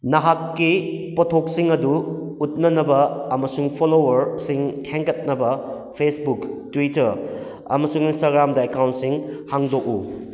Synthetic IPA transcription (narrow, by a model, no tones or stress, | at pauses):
nɐɦakːipɔtʰok̚siŋɐduut̚nɐnɐbɐɐmɐsuŋpʰolowɐɾsiŋkʰeŋkɐt̚nɐbɐ | pʰesbuktwitɐɾ | ɐ̰mɐsuŋinstaɡɾamdɐekawntsiŋhaŋdok̚u